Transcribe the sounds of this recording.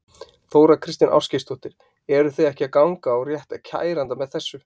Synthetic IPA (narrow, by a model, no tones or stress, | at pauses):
θoːwɾakʰɾɪst̪ɪnʔa̰wfscɪst̪ʰɔht̪ɪɾ̥ | ɛɾʏθejɛhcɪakawŋkaɔɣrjɛht̪acʰa̰ːjɾant̪amɛðθɛsːʏ